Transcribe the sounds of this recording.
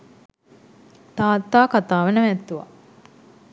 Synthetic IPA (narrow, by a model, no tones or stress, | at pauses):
t̪aːt̪ːaːkat̪aːʋənəʋæt̪ːuʋa̰